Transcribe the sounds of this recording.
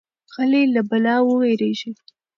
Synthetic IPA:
xəlelabalɑwəweɾeʒi

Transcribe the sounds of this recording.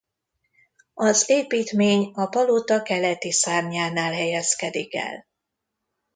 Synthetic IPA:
ɒzeːpiːt̪meːɲɒpɒlot̪ɒkɛlɛt̪isaːrɲaːnaːlɦɛjɛskɛd̪ikɛ̰l

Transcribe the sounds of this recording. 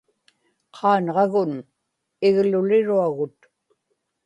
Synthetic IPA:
qʰɑːnʁɑɣʊn | ɪɣlʊlɪɻuaɣʊt̪

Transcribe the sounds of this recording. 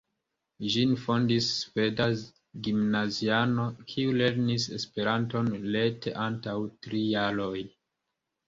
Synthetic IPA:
ʒinfo̞ndisːve̞daz | ɡimnaziano̞kʰiule̞ɾnise̞spe̞ɾanto̞nle̞teʔantawtɾijaɾo̞j

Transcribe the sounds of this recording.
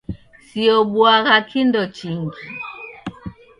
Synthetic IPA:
siɔbwaɣakʰindɔt͡ʃiŋɡi

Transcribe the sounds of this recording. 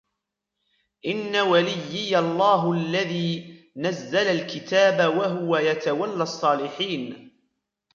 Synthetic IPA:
ʔɪnːawalɪjːɪjalˤːɑːɦʔalːaðiː | nazːalalkɪt̪aːbawaɦʊwajat̪awalːasˤːɑːlɪħiːn

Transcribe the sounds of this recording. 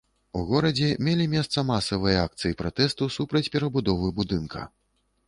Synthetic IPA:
uɣɔɾɐd͡zʲɛmʲelʲimʲɛst̪sɐmasɐvɨjɐak̚t̪sɨjipɾat̪ɛst̪usupɾɐt͡sʲpʲɛɾɐbud̪ɔvɨbud̪ɨnkʰɐ̰

